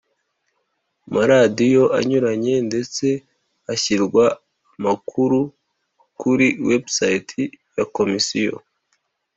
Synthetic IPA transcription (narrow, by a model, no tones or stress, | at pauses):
maɾadijo̞ʔa̰ɲuɾaɲe̞nde̞t͡se̞ | açiɾɡwaː | makʰuɾu | kuɾiwe̞bsajitʰijako̞misijo̰